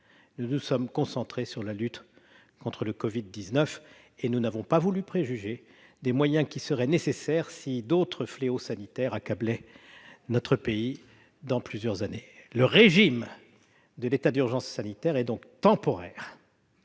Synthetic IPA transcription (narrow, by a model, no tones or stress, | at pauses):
nunusɔmkɔ̃sɑ̃t̪χesyʁlalyt̪ | kɔ̃t̪χələkɔvid̪ːiznœf | enunavɔ̃pavulypχeʒyʒe | d̪emwajɛ̃kʲisəʁɛnesesɛʁsid̪ot̪χəfleosanit̪ɛʁakablɛ | nɔt̪χəpei | d̪ɑ̃plyzjœʁzaneləʁeʒim | d̪əlet̪ad̪yʁʒɑ̃sːanit̪ɛʁɛd̪ɔ̃kt̪ɑ̃pɔʁɛʁ